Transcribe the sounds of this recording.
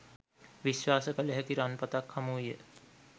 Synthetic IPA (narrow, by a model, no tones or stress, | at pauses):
ʋiʃwaːsəkələɦɛk̪iɾanpət̪akhamuijə